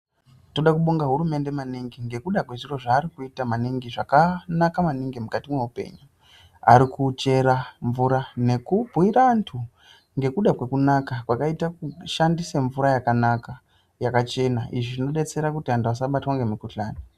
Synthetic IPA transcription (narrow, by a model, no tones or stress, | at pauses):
to̞ɗakuɓoŋɡaɦuɾume̞nde̞maniŋɡiŋɡe̞kuɗakwe̞ʐiro̞ʐaːɾikuitamaniŋɡiʐakanakamaniŋɡimukatimwe̞upe̞̰ɲu | a̰ɾikut͡ʃe̞ɾaɱvuɾane̞kubʱuwiɾantʰu | ŋɡe̞kuɗakwe̞kunakakwakaitakuʃandiseɱvuɾajakanaka | jakat͡ʃe̞naʔiʐiʐino̞ɗe̞t͡se̞ɾakutiɦantuas̬aɓatwaŋɡe̞mikuɬaːni